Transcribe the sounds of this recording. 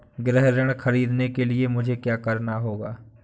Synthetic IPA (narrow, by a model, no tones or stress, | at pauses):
ɡɾɛɦɾəɽ̃xɐɾiːd̪nekeliemʊd͡ʒʱekjaːkɐɾnaɦoːɡaː